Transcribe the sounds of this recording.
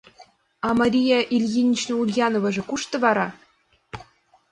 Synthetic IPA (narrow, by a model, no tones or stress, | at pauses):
ɑmɑɾʲijɑʔilʲjinʲit͡ɕnɤ̆ulʲjɑnŏvɤ̆ʐɤ̆kuʃt̪ɤ̆vɑɾɑ